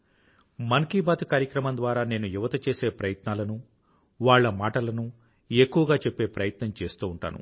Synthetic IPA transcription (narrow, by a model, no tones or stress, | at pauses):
mɐŋkiːbaːt̪ukaːɾjɐkɾɐmɐnd̪ʋaːɾaːne̞ːnujuʋɐt̪ɐt͡ʃeːse̞ːpɾɐjɐt̪naːlɐnu | ʋaːɭːɐmaːʈɐlɐnu | ekːuʋɐɡaːt͡ʃepːe̞ːpɾɐjɐt̪nɐmt͡ʃe̞ːst̪uːɳʈa̰ːnṵ